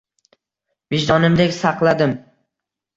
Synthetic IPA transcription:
vɪʒd̪ɒnɪmd̪ekʲsɑqlˠad̪ɪm

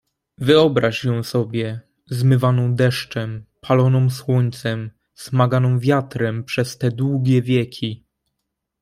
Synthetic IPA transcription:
vɘɔbɾaʂjɔ̃w̃sɔbʲjɛ | zmɘvanɔ̃w̃d̪ɛʂt͡ʂɛmpʰalɔnɔ̃w̃swɔɲt̪sɛm | z̥maɡanɔ̃w̃vʲjat̪ɾɛmpʂɛst̪ɛd̪wuɡʲɛvʲjɛkʲʰi

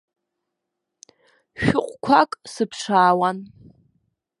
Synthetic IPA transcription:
ʃᶣʊqʷʼkʷʰakʼsɨpʰʂaːwan

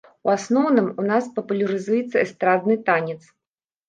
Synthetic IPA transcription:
uasnɔwnɨmunaspɐpulʲɐɾɨzujɛt̪sːɐɛst̪ɾad̪nɨt̪anʲɛt̪s

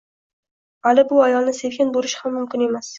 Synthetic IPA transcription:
halɪbʊajɒlˠnɪse̞vkʲanbolɪʃhamːʊmkʲɪne̞mas

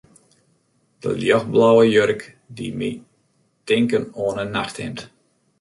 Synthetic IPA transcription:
d̥ə̰ljɔxblawəjørk | dimḭ | tɪŋkənoənənaxtɪ̰mt

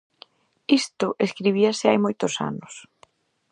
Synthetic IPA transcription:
ist̪ʊʔeskɾiβ̞iasɪajmojt̪ʊsa̰nʊs

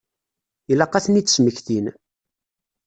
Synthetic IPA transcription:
ilɑqːɑθnit͡sːəsməçθin

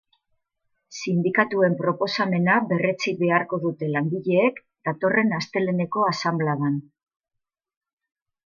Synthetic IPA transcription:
sind̪ikat̪ue̞mpɾo̞po̞same̞naβe̞re̞t͡sibe̞aɾko̞ðut̪e̞laŋɡiʎe̞ːk | d̪̥at̪o̞re̞nast̪e̞le̞ne̞ko̞asamblaðan

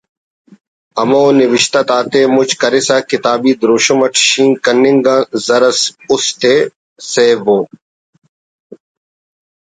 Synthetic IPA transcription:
ɐmoːnɪʋɪʃt̪ɐt̪aːt̪eːmʊt͡ʃkɐɾɪsaːkɪt̪aːbiːd̪ɾoːʃomɐʈʰʃĩːŋkɐnːɪ̃ŋɡãːzɐɾɐsʊst̪eː | seːbõː

